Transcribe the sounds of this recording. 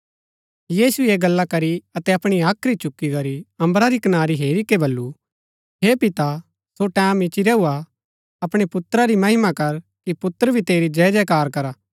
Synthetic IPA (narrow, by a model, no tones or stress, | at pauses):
jiːsueːɡɐlːakɐɾiɐt̪ɛɐpɽ̃iaːkʰɾit͡ʃʊkːikɐɾiɐ̃mbɾaɾikɐnaːɾiɦeːɾikebɐlːu | ɦeːpɪt̪a | soʈɛːmɪt͡ʃiɾɛua | ɐpɽ̃epʊt̪ɾaɾimɐɦɪmakɐɾkipʊt̪ːəɾbʱit̪eːɾid͡ʒɛd͡ʒɛkaːɾkɐɾaː